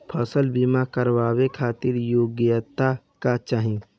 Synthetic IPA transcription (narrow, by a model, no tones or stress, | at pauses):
pʰəsəlbimakəɾʋaːwekʰaːt̪ɪɾjoːɡjət̪ːa | kat͡ʃaːɦĩ